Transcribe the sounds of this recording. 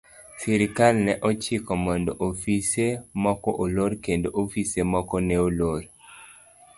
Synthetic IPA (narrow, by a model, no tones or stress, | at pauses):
siɾikalnɛʔɔt͡ʃikɔmandoʔofisemɔkɔʔoloɾkendoʔofisemɔkɔnɛoloɾ